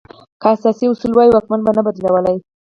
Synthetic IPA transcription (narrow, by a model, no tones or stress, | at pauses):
kaasɑsiʊsulwɑjiwɑkmanbanabad̪lawəlaj